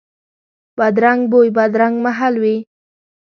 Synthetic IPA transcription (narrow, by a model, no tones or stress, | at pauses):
bad̪ɾaŋɡbojbad̪ɾaŋɡmaɦalwi